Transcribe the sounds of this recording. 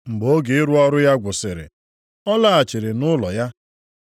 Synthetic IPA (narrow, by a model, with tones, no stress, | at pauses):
ŋ͡m̩˨ɡ͡bo˦ɡe˨ɪ˦ɾu˦ɔ˦ɾʊ˦ja˦ɡʷʊ˨sɪ˨ɾɪ̰˨ | ɔ˦la˦˨a˨t͡ʃɪ˨ɾɪ˨nʊ˦lɔ˨ja˦